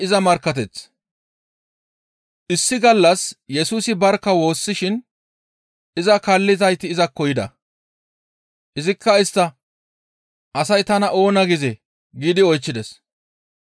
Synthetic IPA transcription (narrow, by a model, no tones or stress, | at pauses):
ɪzɐmɐɾkːɐt̪̬ɛt͡s | ʔɪsːɪɡɐlːɐsjɛsuːsɪbɐɾkːɐwo̞ːsːɪʃɪn | ɪzɐkɐlːɪzɐjt̪ːɪːzɐkːɔjɪd̪ɐ̰ | ʔɪzɪkːɐɪst̪ːɐ | ʔɐsɐjt̪ɐnɐʔo̞ːnɐɡɪzɛ | ɡiːd̪ɪɔjt͡ʃːɪd̪ɛs